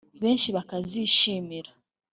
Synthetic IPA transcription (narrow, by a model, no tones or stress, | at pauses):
βeːnʃiβakaziʃiːmiɾa